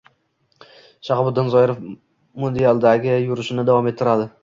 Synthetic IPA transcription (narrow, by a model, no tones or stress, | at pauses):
ʃaχbʊd̪ːɪnzɒjɪɾof | mod̪ealˠd̪aɡʲɪjʊɾɪʃɪnɪd̪avɒmet̪ʰːɪɾad̪ɪ